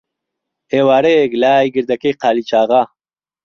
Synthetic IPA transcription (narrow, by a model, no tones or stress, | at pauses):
eːwaːɾeɡlaːjɡiɾd̪ɐkeqaːlit͡ʃaːɣa